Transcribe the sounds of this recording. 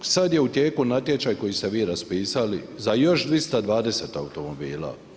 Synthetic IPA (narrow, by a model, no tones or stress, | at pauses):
sad̪je̞ut̪jeːkunat̪je̞t͡ʃajkojist̪eʋiːɾaspiːsalizajo̞ʃd̪ɾist̪ad̪ʋaːd̪e̞se̞ːt̪a̰ut̪o̞mo̞biːla̰ː